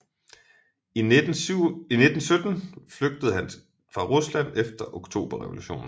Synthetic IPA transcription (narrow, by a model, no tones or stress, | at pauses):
ine̝d̥n̩sød̥n̩fløɡ̥̚d̥əð̞̩ˠɦæn | fʁɑ̈ʁuslæn̰efd̥ɐʔoɡ̥t͡sʰo̝̰ːb̥ɐʁɛʋo̝luɕo̝̰ːn̩